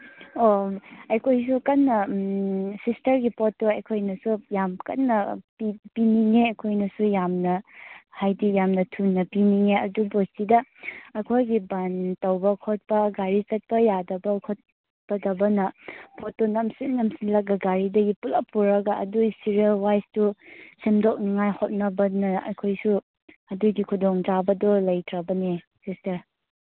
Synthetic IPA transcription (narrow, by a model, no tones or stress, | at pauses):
oɐjkʰojsukɐnːɐ | sistɐɾɡipʰotːoɐjkʰojnɐsujamkɐ̰nːɐpipiniŋeɐkʰojnɐsujamnɐhajdijamnɐtʰunːɐpiniŋeɐdubossidɐɐkʰojɡibɐntɐwbɐkʰot̚pɐɡaɾisɐt̚pɐjadɐbɐkʰot̚ | bɐdɐbɐnɐpʰotonɐmsinnɐmsinlɐk̚ɡɐɡaɾidɐɡipulapuɾɐɡɐɐ̰dusiɾiɐlwajstusimdok̚niŋajhot̚nɐbɐnɐɐ̰kʰojsu | ɐduɡikʰudɔŋtabɐdɔlɐjtʰɾɐbɐne | sistɐɾ